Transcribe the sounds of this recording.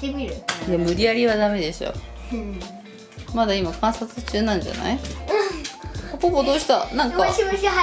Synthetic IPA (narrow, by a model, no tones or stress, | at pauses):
miɾɯjamɯ̟ɾʲiaɾʲiβad̪ame̞d̪e̞ɕo̰ | mad̪aimakãɰ̃sat͡sɨt͡ɕɨːnãɲd͡ʑa̰na̰i | opopod̪oːɕi̥t̪anãŋka